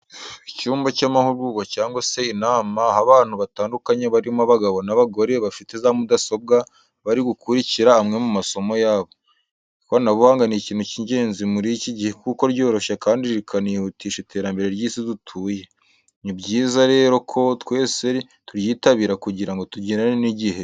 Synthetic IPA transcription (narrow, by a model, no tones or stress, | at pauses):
icuːmbacaːmahuɾβuːɡacaːŋɡwase̞inaːmahaβaːn̥huβataːndukaɲe̞βaɾimuaβaɡaβo̞naβaɡo̞ɾe̞βafite̞zamudaso̞b̚ɡa | βaɾiɡukuɾiciɾaːmŋe̞mumaso̞mo̞jaːβo̞ | konaβuhaːŋɡaniciːnhuciɲɟe̞ːnzimuɾiciɟihe̞kuko̞ɾɟo̞ːɾo̞ʃakaːndiɾiɾikʰanihutʰiːʃitʰe̞ːɾambe̞ɾe̞ɾjiːsizutʰuːje̞ | nibɟiːzaɾe̞ːɾo̞kʰo̞twe̞ːse̞ɾi | tuɾjiːtaβiːɾakuɟiɾaŋɡo̞tuɟinaneniɟihe̞